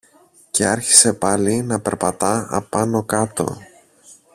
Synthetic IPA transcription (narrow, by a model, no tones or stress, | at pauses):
ce̞ɐɾçi̥se̞pɐlinɐpe̞ɾpɐt̪ɐɐ̰pɐno̞kɐt̪o̞̰